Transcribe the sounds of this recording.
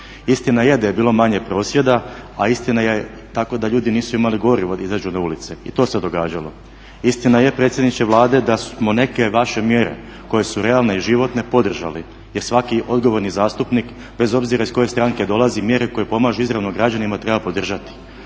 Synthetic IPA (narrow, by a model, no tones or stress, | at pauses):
ist̪inaje̞d̪aje̞biːlˠo̞maɲe̞pɾo̞ːsje̞d̪aaist̪inaje | t̪ako̞d̪aʎuːd̪iniːsuimaliɡo̞ɾiʋo̞izad͡ʑunaulit̪se̞ḭt̪o̞ːse̞d̪o̞ɡaːd͡ʑalo̞̰ | ist̪inaje̞pɾe̞ːt̪sjed̪nit͡ʃeʋlˠaːd̪e̞d̪asmo̞ne̞ke̞ʋaʃe̞mjeɾe̞̰ | ko̞je̞suɾe̞alˠne̞iʒiʋo̞t̪ne̞po̞d̪r̩ʒa̰li | je̞ɾsʋakiʔo̞d̪ɡo̞ʋo̞ɾnizaːst̪upnik | be̞zo̞bziɾaisko̞je̞st̪ɾaːŋke̞d̪o̞lˠazimje̞ɾeko̞jepo̞maʒuizɾaʋnoɡɾad͡ʑanimat̪ɾe̞bapo̞d̪r̩ʒat̪i̥